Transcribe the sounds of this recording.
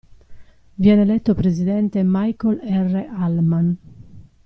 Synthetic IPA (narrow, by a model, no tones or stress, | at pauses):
vjɛnelɛt̪ːopɾezid̪ɛnt̪emajkolɛrːeʔalman